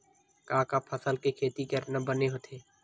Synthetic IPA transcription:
kãːkapʰəsəlkekʰeːt̪ikəɾnɐbəneɦot̪ʰeː

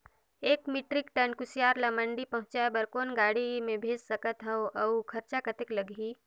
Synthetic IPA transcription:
eːkmiːʈɾɪkʈənkʊsijaːɾlɐməɳɖipɐ̃ɦʊ̃t͡ʃaebəɾkoːnɡaːɽimẽbʱeːd͡ʒsɐkət̪ɦəoʔɐukʰɐɾt͡ʃakət̪ɪkləɡiː

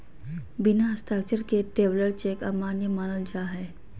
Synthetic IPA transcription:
bɪnaɐst̪ʰaːk̚t͡ʃəɾkeʈeːʋləɾt͡ʃeːkaːmaːnjəmaːnəld͡ʒaːɦɛː

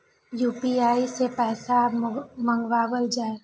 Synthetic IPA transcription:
juːpiaːisepɛːsamə̃ŋɡʋaːwəld͡ʒaːe

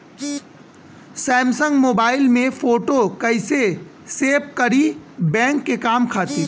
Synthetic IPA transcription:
sɛ̃ːmsə̃ŋɡmoːbaːɪlmẽfʰoːʈokɐɪse | seːpkɐɾibɛ̃ːŋkːekaːmkʰaːt̪iː

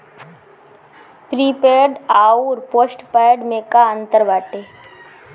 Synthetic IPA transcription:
pɾiːpeːɖaːuːɾpoːsʈpaːjɖmẽkaə̃nt̪əɾʋaːʈeː

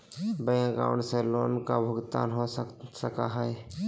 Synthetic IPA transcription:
bəjãɡa̰ːʊɳɖseloːnkabʱʊɡt̪a̰ːnɦossəka̰ɦɛe

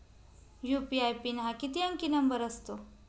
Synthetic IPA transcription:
jupiajpiːnɦakit̪iəŋkinəmbəɾəst̪o

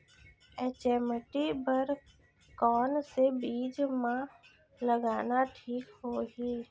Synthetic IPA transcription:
ɛːt͡ʃeːməʈibəɾ | kɔːnsebiːd͡ʒmã | ləɡaːnaʈʰiːkɦoːɦiː

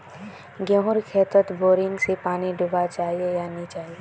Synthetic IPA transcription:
ɡjõɦʊɾkʰeːt̪ət̪boːɾɪ̃ŋɡsepaːniɖʱʊbat͡ʃaːɦiejanit͡ʃaːɦie

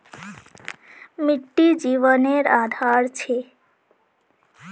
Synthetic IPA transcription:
miʈːid͡ʒiʋəneɾad̪ʱaɾt͡ʃʰe

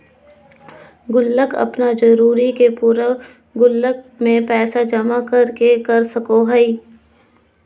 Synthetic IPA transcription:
ɡʊlːəkɐ̰pnad͡ʒɐɾuːɾikepuɾə | ɡʊlːək̚mẽpɛːsad͡ʒɐmakɐɾkekɐɾsɐkoɦɛi

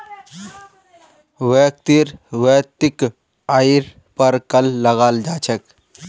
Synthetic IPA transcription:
ʋek̚t̪iɾweːt̪ik | aiɾ | pəɾkəlːəɣaːld͡ʒaːt͡ʃʰək

